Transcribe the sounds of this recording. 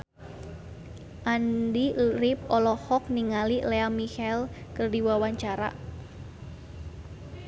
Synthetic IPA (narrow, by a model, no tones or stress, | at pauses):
ʔandiɾip̚ɔlɔhɔk̚niŋalileamihɛlkərdiwawaɲt͡ʃaɾa̰